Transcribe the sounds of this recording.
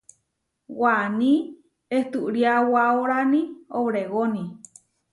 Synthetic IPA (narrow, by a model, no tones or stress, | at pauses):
wanĩ | eht̪uʔɾiawaoɾanioβɾeɣoni